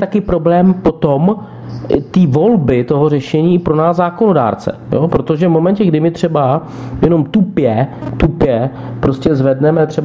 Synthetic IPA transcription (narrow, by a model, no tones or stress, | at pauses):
t̪akɪpɾo̞blɛːmpo̞t̪om | t̪iːvo̞lbɪt̪o̞ɦo̞r̝ɛʃɛɲiːɪpɾo̞naːzzaːko̞no̞da̰ːɾt͡sɛ̰jopɾo̞t̪o̞ʒɛvmo̞mɛnɲcɛɡdɪmɪt̪r̥ɛba | jɛno̞mt̪upjɛt̪upjɛ | pɾo̞scɛzvɛdnɛmɛt̪r̥ɛb